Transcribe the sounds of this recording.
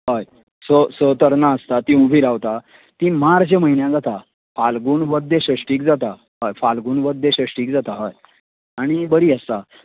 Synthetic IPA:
ɦəj | səsət̪əɾnaəst̪at̪ĩubʱiːɾaʋt̪a | t̪imaɾt͡ɕaməɦinjãd͡zat̪a | falɡuːnʋəd̪ʱeɕəʂʈiːk̚d͡zat̪a | ɦəjfalɡuːnʋəd̪ʱeɕəʂʈiːkd͡zat̪aɦəj | aɽ̃ibəɾiːəst̪a

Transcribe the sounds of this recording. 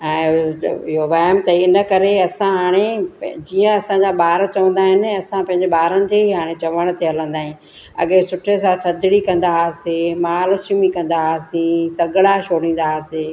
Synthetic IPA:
ɛ̃ːɪɦoʋaːəmt̪ɐɪnə̆kɐɾeɐsãɦaːɽ̃ed͡ʑiːə̃ɐsãd͡ʑaɓaːɾət͡ɕɐʋə̃n̆d̪aːɦɪnɪ̆ɐsãpɐ̃ɦɪ̃ɲd͡ʑeɓaːɾənɪ̆d͡ʑeːɦiɦaːɽ̃et͡ɕɐʋəɽ̃t̪eɐlə̃nd̪aːɦɪ̃ĩ | ɐ̰ɠesʊʈʰes̬ãt̪ʰɐd̪ɪɽikɐ̃nd̪asemaːlsumikɐ̃nd̪asĩsɐɡɽaʃoːɽĩːnd̪aseː

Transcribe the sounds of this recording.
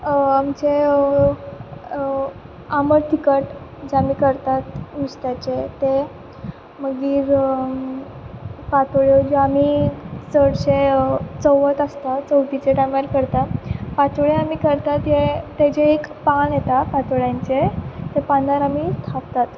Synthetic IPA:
amt͡ɕe | aməɾt̪ikəʈd͡ʑeamiːkəɾt̪at̪mist̪jat͡ɕet̪e | məɡiːɾ | pat̪ɭjod͡ʑeamisəɽɕet͡səʋət̪əst̪at͡səwʈ̪it͡ɕeʈamaɾkəɾt̪apat̪ɭeamiːkəɾt̪at̪jet̪et͡ɕeːkpanjet̪apat̪oɭjãɲt͡ɕet̪epanaɾamit̪ʰapt̪at̪

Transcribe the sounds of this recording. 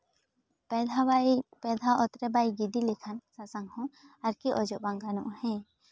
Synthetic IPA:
pɛd̪ʱaʔɔt̪ɾɛbajɡid̪ilikʰansasaŋhɔ̃ | aɾkiʔɔd͡ʒɔʔbaŋɡanɔ̰ʔhɛ̃

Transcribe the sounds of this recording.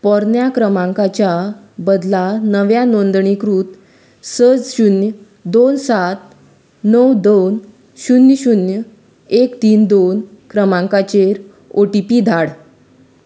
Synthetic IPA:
pɔɾnjakɾəmãŋkat͡ɕja | bəd̪lanəʋjanond̪ɳikɾuːt̪ | səd͡zɕunjə | d̪onsat̪ | nəwd̪on | ɕunjəɕunjə | ekt̪iːnd̪onkɾəmãŋkat͡ɕeɾ | oʈipid̪ʱaɽ

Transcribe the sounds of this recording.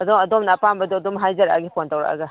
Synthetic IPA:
ɐdomɐdomnɐːpambɐdɔɐdomɦajzɐɾaaɡipʰontɐwɾa̰ʔɐ̰ɡɐ

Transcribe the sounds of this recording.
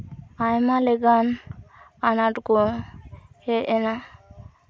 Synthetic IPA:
ajmalɛɡan | anaʈkɔ | hɛɛna

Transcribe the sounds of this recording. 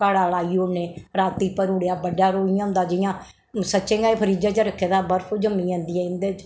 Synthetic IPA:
kaːɽaːlaːiːoneːɾaːt̪iːpəɾʊɽejaːbəɖaːɾoːɪjãːʊ̃nd̪aːd͡ʒɪjãː | sət͡ʃːʃẽːɡaːeːpʰəɾiːd͡ʒãːt͡ʃəɾəkʰːeːd̪aːbəɾpʰoːd͡ʒəmːĩːãːnd̪iːɛ̃ːɪ̃nd̪eːt͡ʃ

